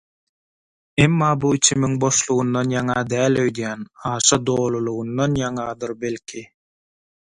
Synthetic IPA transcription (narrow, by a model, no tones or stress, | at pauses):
emːɑːbuit͡ʃʰimiŋbo̞ʃlˠuɣund̪ɑnjɑŋɑd̪æːlʲøjd̪jæːnɑːʃɑd̪oːlˠulˠuɣunːɑnjɑŋɑd̪ɯɾbe̞lkʰi